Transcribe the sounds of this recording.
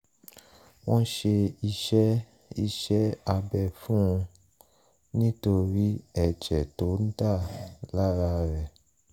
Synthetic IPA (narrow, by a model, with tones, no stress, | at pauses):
wɔ̃˦ʃe˧i˧ʃɛ˦ | i˧ʃɛ˦a˧bɛ˧˨fũ˦ũ˧ | nĩ˦to˧ɾi˦ɛ˨d͡ʒɛ˨to˨˦n̩˦ta˦˨la˦ɾa˧ɾɛ˨